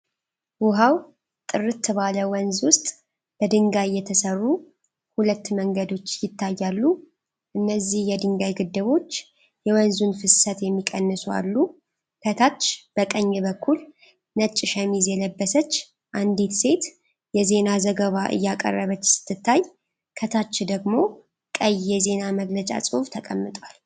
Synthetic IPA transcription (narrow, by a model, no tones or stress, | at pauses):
wʊɦaw | t̪ʼɨrɨt̪ʰːɨβaləwənzwʊst̪ʼ | b̥əd̪ɨŋɡaɨjːɛt̪ʰəsərːu | hulət̪ːməŋɡəd̪o̞t͡ʃːjɪt̪ːajːalːu | ʔɨnːəzːihjɛd̪ɨŋɡajɡɨd̪ːɨβo̞t͡ʃː | jɛwənzunfɨssət̪jɛmːikʼənːəsua̰lːu | kʰət̪ʰat͡ʃːb̥əkʼəɲːɛβəkʰːul | nət͡ʃʼːɪʃəmizjɛləbːəsət͡ʃː | ʔand̪e̞t̪se̞t̪ | jɛze̞nazəɡəβaʔɨ̰jːakʼə̰rːəβət͡ʃːsɨ̥t̪ʰːɨt̪ʰːaj | kʰət̪ʰat͡ʃːd̪əɡmo̞ | kʼəjːɛze̞naməɡlət͡ʃʼa̰sʼɨft̪ʰəkʼəmːɨt̪ʼwal